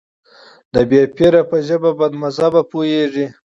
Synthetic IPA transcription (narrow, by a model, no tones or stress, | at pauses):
d̪əbjepeɾapəʒəbabad̪mazabapojeʐi